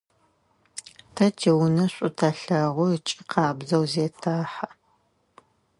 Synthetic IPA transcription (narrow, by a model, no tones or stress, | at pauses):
tʰɐtʰeːwʊnɐɕʷʼʊtʰɐɬɐʁʷʊt͡ʃʼɪqʰɑːbzɐwzeːtʰaːħa